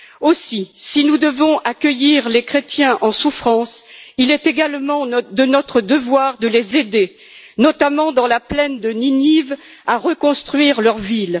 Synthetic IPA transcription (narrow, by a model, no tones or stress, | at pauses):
osisinud̪əvɔ̃ʔakʲəjiʁlekχet̪jɛ̃ʔɑ̃sufχɑ̃silɛt̪eɡalmɑ̃d̪ənɔt̪χəd̪əvwaʁd̪əlezed̪e | nɔt̪amɑ̃d̪ɑ̃laplɛnd̪əniniv | aʁəkɔ̃st̪χɥiʁlœʁvil